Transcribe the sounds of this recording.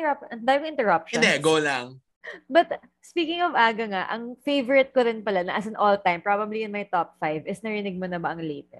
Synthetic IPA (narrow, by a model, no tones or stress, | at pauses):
ɐpɐnd̪aːjɪ̃ŋɪnt̪ɛɹɐp̚ʃnd̪ɛɡoːlaŋ | bɐt̪̚ | spiːkɪŋɔvaːɡɐŋaʔɐŋfejvɔɹɪt̪̚koɾɪnpɐlanɐʔɐs̬ɐnʔolt̪ajmpɹabɐbliʔɪnmɐjt̪op̚fajvɪsnɐɾɪnɪɡ̚monɐbɐʔɐŋlejt̪ɛs